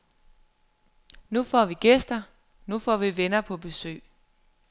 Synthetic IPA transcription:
nufɒ̰ːʋiɡ̥esd̥ɐ | nufɒ̰ːʋiʋenɐpʰɒ̽b̥e̝sø̰ː

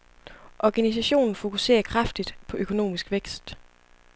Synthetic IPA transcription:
ʔɒɡ̥ænis̬æɕo̝̰ːnn̩fo̝kʰuse̝̰ːɐkʰʁafd̥id̥pʰɒ̽ʔøkʰo̝no̝̰ːmisɡ̥ʋeɡ̥sd̥

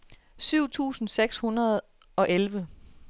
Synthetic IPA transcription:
syʊ̰t͡sʰṵːsn̩seɡ̥shunɐð̩ˠ | ɒ̽ʔelʋə

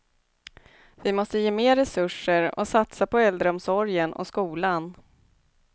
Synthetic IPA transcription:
vɪmɔst̪əjeːmeːɾɛsɵʂəɾɔ̰sat̪sapɔɛld̪ɾəɔmsɔɾjənʔɔ̰skuːlan

